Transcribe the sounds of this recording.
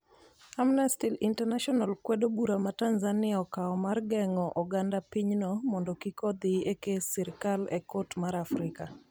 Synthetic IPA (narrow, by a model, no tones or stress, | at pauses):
amnɛstilintɛnaʃɔnalkwɛdobuɾamatanzanɪaɔkaɔmarɡɛŋɔʔɔɡandapiɲnɔmɔndɔkikɔd̪iekesɪɾkalɛkotmaɾafɾɪka